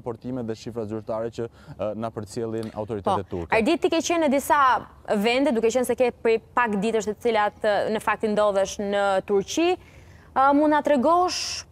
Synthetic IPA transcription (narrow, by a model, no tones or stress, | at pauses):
pɔɾt̪imɛt̪ðɛʃifɾazyɾt̪aɾɛt͡ɕə | napəɾt͡sjɛlˠina̰wt̪ɔɾit̪pɛɔt̪ɛt̪ːṵɾkɛɾd̪it̪ːikɛt͡ɕɛnəd̪isavɛnd̪ɛd̪ukɛt͡ɕɛnsɛkɛpɾipakd̪it̪əʃt̪ɛt̪ə̥t͡silat̪nəfak̚t̪ind̪ɔðɛʃnət̪uɾt͡ɕi | mund̪at̪ɾɛɡɔʃ